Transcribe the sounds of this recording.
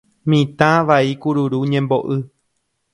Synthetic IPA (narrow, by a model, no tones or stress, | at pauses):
mĩt̪ãʋaikuɾuɾuɲẽmboʔɨ